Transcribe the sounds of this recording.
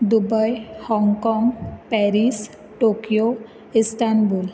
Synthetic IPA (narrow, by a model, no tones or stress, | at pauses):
d̪ubəjhɔŋkɔŋɡpɛɾis | ʈokijo | isʈ̪ʰanbul